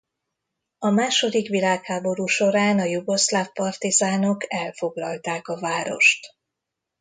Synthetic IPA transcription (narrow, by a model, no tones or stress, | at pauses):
ɒmaːʃo̞d̪ikʋilaːkhaːbo̞ɾuːʃo̞ɾaːnɒjuɡo̞slafpɒrt̪izaːno̞kɛlfo̞ɡlɒlt̪aːkɒvaːɾo̞̰ʃt̪